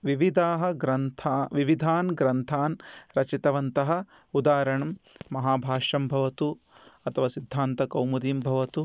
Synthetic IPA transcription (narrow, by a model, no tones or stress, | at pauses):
ʋiʋid̪ʱaːɦɐ̆ɡɾɐnt̪ʰaʋiʋid̪ʱaːnɡɾɐnt̪ʰaːnɾɐt͡ʃit̪ɐʋɐnt̪ɐɦɐ̆ | ud̪aːɾɐɳɐmmɐɦaːbʱaːʂɐmbʱɐʋɐt̪u | ɐt̪ʰɐʋaːsid̪ʱːaːnt̪ɐkɐwmɐd̪iːmbʱɐʋɐt̪u